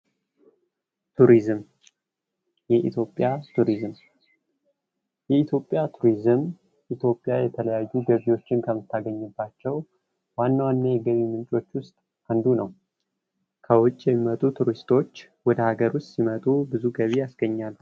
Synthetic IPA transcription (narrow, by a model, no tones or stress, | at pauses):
t̪ʰuɾizm | jɛʔḭt̪ʰjo̞pʼjat̪ʰuɾizm | jɛit̪ʰjo̞pʼːjat̪ʰuɾizɨm | ʔit̪ʰjo̞pʼːjajɛt̪ʰələjajːuɡəβiwo̞t͡ʃːɪnkʰəmɨt̪ʰːaɡəɲːɪbːat͡ʃːɛw | wanːawanːajɛɡəβimɨnt͡ʃʼo̞t͡ʃːwʊst̪ʼ | and̪unəw | kʰəwʊt͡ʃʼːjɛmːimət̪ʼut̪ʰuɾist̪ʰo̞t͡ʃː | wɔd̪əhaɡəɾʊst̪simət̪ʼubɨzuɡəβijasɡəɲːal